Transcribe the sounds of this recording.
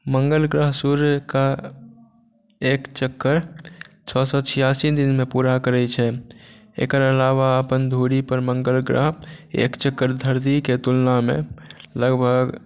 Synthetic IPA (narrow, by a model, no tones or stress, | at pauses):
məŋɡəlɡɾəɦsuɾka | ekt͡ʃəkːəɾ | t͡ʃʰɔsɔt͡ʃʰijasid̪inmepuɾakəɾɛt͡ʃʰɛ | ḛkəɾəlaʋaəpənd̪ʱoɽipəɾməŋɡəlɡɾə̰ɦḛkt͡ʃəkːəɾd̪ʱəɾd̪iket̪ulnamḛləɡbʱəɡ